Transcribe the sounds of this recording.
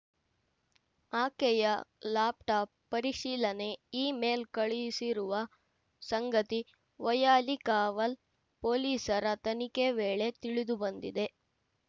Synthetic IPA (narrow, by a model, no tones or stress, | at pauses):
aːkɛjɐlaːp̚ʈaːpːɐɾiʃiːlɐne̞iːmeːlkɐɭijisiɾuʋɐ | sɐŋɡɐt̪i | ʋɐjaːlikaːʋɐl | poːliːsɐɾɐt̪ɐnikeʋeːɭe̞t̪iɭid̪ubɐnd̪id̪e̞